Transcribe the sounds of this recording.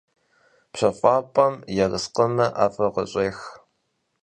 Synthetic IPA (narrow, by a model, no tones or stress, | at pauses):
pɕɐfʷʼɑːpʼɐmjɛrə̰sqəmɐʔaːfɐʁə̰ɕʼeːx